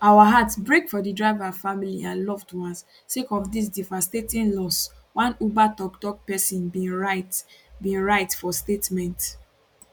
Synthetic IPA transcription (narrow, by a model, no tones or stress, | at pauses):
awaɦatsbɹekfɔdidɹaɪvafamiliãnlɔvdwãns | sekɔfdis̬divastetĩnlɔs | wãnubatɔktɔk̚pɛsĩnbĩɹatbĩɹaɪtfɔstetmɛ̃nt